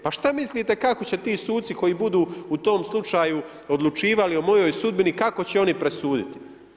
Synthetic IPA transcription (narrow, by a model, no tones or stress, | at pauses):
paʃt̪amisliːt̪ekako̞t͡ɕe̞t̪iːsuːt̪siko̞jiːbud̪uːut̪o̞ːmslˠut͡ʃaːju | o̞d̪lˠut͡ʃiːʋalio̞mo̞jo̞jsud̪̚binikako̞t͡ɕeo̞nipɾe̞suːd̪it̪i̥